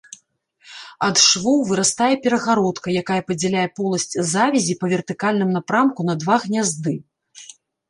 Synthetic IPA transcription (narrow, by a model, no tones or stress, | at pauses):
ɐd̪ʂvɔwvɨɾast̪ajɛpʲɛɾɐɣaɾɔt̪kɐjakajɐpɐd͡zʲɛlʲajɛpɔlˠɐsʲt͡sʲzavʲizʲipɐvʲɛrt̪ɨkalʲnɨmnapɾamkun̪ɐd̪vaɣnʲazd̪ɨ